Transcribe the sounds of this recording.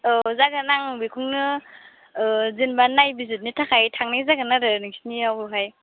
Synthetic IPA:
ɯzaɡanaŋbikʰuŋnɯ | zinbanːajbizit̚nitʰakʰajtʰaŋnajzaɡɯnaɾɯnɯŋsi̥niawbuɦaj

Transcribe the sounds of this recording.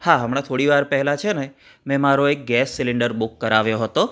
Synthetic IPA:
haɦəmɽ̃at̪ʰoɽiʋaɾpəɦɛlat͡ʃʰene | mɛ̃maɾoek̚ɡɛsːɪlɪɳɖəɾbʊkːəɾaʋjoɦət̪o

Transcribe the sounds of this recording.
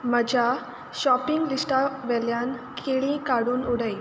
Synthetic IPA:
məd͡ʑʱa | ɕɔpiŋɡlisʈaʋɛljankʰeɭĩkaɽuːnuɽ̤əj

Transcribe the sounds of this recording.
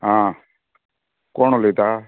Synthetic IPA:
ɦãː | koːɳoːleːt̪aː

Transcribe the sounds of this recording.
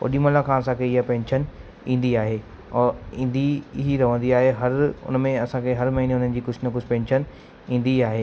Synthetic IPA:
o̰ːɗiːməlakʰãːɐsãkʰeɪɦapɛ̃ːnʃən | ĩːn̆d̪iaːɦeː | ĩːnd̪iɦiɾɐʋə̃nd̪iaːɦeɦɐɾʊ̰nmẽɐsãkʰeɦɐɾmɐɦineʊn̤ən̆d͡ʑiːkʊd͡ʑʰnɐkʊsʰpɛ̃ːnʃən | ĩːnd̪iaːɦeː

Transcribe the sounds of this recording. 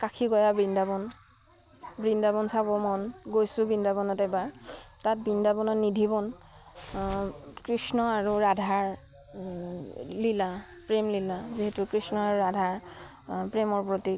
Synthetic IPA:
kakʰikɔjabindabɔn | bɹindabɔnsabɔmɔnɡojsʊ̃bindabɔnɔtɛbaɹtat̚bindabɔnɔnidʱibɔn | kɹisnɔaɹuɹadʱaɹ | lila | pɹemlilaziɦɛtʊkɹisnɔaɹuɹadʱaɹ | pɹemɔɹpɹoti

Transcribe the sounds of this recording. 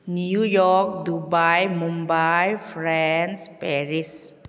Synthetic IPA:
nijɔːk̚dubajmombajfɾɛnspɛːɾis

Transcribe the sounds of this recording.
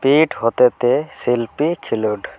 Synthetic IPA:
piʈɦot̪et̪esilpikʰiluɖ

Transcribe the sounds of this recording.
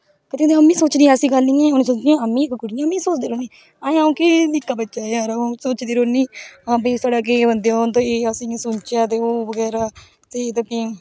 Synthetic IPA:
kɪt̪õd̪eəmĩːsoːt͡ʃniːəsĩːɡəlnĩːɛ̃ːonːsoːt͡ʃniõəmːĩːkːɡʊɽijãmĩːsoːt͡ʃd̪eːɾoːniː | ãːãõːkɪnɪkːaːbətːʃaːeaːɾaõːsoːt͡ʃd̪iːɾoːniːãːbəːt̪aːɽaːk̬eʋənd̪eont̪õːeːəsĩːsʊnt͡ʃjaːt̪̬eːoːbəɡɛːɾaː | t̪et̪əkiː

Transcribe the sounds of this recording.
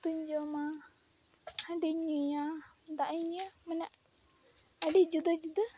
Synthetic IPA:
t̪uɲd͡ʒɔma | həɖiɲuja | d̪aʔəɲəmanaʔ | əɖid͡ʒud̪əd͡ʒud̪ə

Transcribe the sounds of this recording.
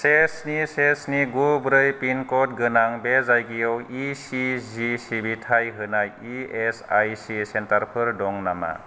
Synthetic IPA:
sesnisesniɡubɾɯjpinkɔt̚ɡɯnaŋbezajɡijɔwisizisibitʰajɦɯnajiesajsisentaɾpʰɯɾdɔŋnama̰

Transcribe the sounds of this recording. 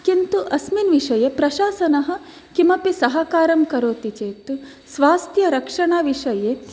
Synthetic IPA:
kint̪uʔɐsminʋiʂɐjepɾɐʃaːsɐnɐɦɐ̆ | kimɐpisɐɦɐkaːɾɐmkɐɾoːt̪it͡ʃeːt̪u | sʋaːst̪ʰjɐɾɐkʂɐɳaːʋiʂɐje

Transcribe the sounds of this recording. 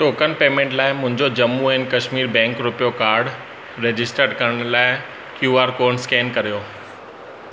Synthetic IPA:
ʈoːkənɪ̆peːmẽːɳʈlaːɪmʊ̃ɦɪ̃ɲd͡ʑod͡ʑɐmːuɛ̃ːnɪ̆kɐʃmiːɾbɛ̃ːŋkɾʊpijokaːɾɖ | ɾeːd͡ʑɪsʈəɾɖkɐɾəɽ̃laːɪ | kjuːaːɾkoːɾɳskɛːnkɐɾijoː

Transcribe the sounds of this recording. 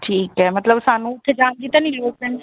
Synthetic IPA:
ʈʰiːkɦɛːmət̪ləbsaːnũːʊt̪ʰːeːd͡ʒaːnd͡ʒiːt̪ãːnĩːloːkpəɳ

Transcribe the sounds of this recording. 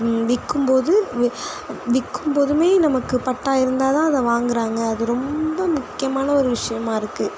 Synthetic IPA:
ʋɪkːɯmpoːðɯ | ʋɪkːɯmpoːðɯmeːnɐmɐkːɯpɐʈːaːɪɾɯnd̪aːt̪ãːɐðɐʋaːŋɡɪɾaːŋɡɐːðɯɾɔmbɐmʊkːɪjɐmaːnɐɔɾɯʋɪʂɐjɐmaːɪɾɯkːɯ

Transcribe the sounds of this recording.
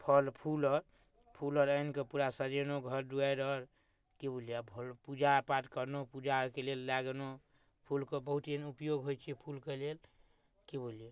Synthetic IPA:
pʰɔlpʰulɔɾ | pʰulɔɾəinkepuɾasəɾenoɡʱəɾɖuajɾɔɾ | kebolijabʱlpud͡ʒapat̪kəɾnopud͡ʒakelelːaɡno | pʰulkebəɦut̪enupjoɡɦojt͡ʃʰipʰulkelel | kebolije

